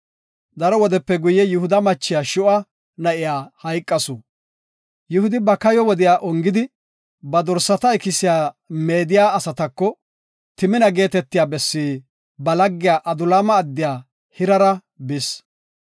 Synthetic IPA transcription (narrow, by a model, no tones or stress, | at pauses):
d̪ɐɾɔwɔd̪ɛpːɛɡʊjːɛjʊhʊd̪ɐmɐt͡ʃːɪjaːʃʊʔɐ | nɐʔɪjaːhɐjkʼːɐsʊ | jʊhʊd̪ɪbɐkɐjɔwɔd̪ɪjaːʔɔŋɡɪd̪ɪ | bɐd̪ɔɾsːɐt̪ɐɪkɪsɪjaː | me̞ːd̪ɪjaːɐsɐt̪ɐkːɔ | t̪ɪmɪnɐɡe̞ːt̪ɛt̪ːɪjaːbɛsːiː | bɐlɐɡːɪjaːʔɐd̪ʊlaːmɐːd̪ːɪjaː | hɪɾɐɾɐ | bɪs